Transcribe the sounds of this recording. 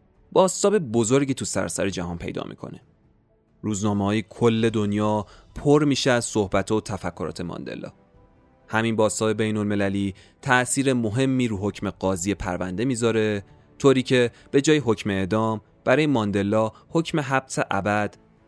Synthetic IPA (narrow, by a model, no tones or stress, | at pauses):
b̥ɒːst̪ɒːbe̞bo̞zo̞ɾɟit̪ʰusæ̰ɾ̰sæ̰ɾe̞d͡ʒæɦɒːnpʰe̞̰jd̪ɒ̰ːmḭːkʰo̞̰ne̥ | ɾuːznɒːmehɒːjekʰolːe̞d̪onjɒːpʰoɾmiːʃeæzso̞hbæt̪ʰhɒːot̪ʰæfækʰːo̞ɾɒ̰ːt̪ʰemɒ̰nd̪e̞̰lɒ̰ː | hæminbɒːst̪ɒːbe̞be̞jno̞lme̞læliː | t̪ʰæʔsiːɾe̞mo̞ɦe̞mːiːɾuːɦo̞cʰme̞ɢɒːziːje̞pʰæ̰ɾvæ̰nd̪e̞miːzɒːɾe̞ | t̪ʰoːɾiːcʰe̞ | b̥e̞d͡ʒɒːjeɦo̞cʰme̞ed̪ɒːm | b̥æɾɒːjemɒːnd̪e̞lːɒːho̞cʰme̞ɦæbseʔæbæd̪̥